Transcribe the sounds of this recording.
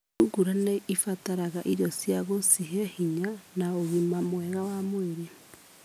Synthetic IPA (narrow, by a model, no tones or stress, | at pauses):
uɡuɾaneifataɾaɣaʔiɾjɔsjaɣosiɦehiɲanaoɣimamwɛɣawamoiɾi